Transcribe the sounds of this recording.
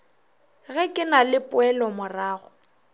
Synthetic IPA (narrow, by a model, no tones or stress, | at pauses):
ɣɛkʼɪnalɪpʼʊɛlɔmʊraːɣʊ